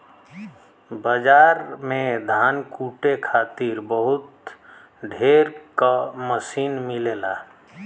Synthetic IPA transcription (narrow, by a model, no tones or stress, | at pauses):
bəd͡ʒaːɾmẽd̪ʱaːnkuːʈekʰaːt̪iɾbəɦʊt̪ | ɖʱeːɾkaməsiːnmɪleːlaː